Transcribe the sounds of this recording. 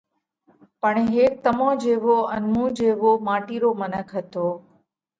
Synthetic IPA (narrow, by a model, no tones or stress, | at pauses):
pəɳɦeːk̚t̪əmãːd͡ʒeːʋoənmũːd͡ʒeːʋoːmaːʈiːɾoːmənəkʰɦət̪oː